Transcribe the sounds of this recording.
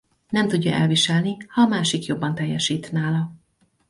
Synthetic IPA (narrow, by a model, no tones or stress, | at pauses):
nɛmt̪uɟːɒʔɛlviʃɛlnihɒːmaːʃikjo̞bːɒnt̪ɛjːɛʃiːt̪naːlɒ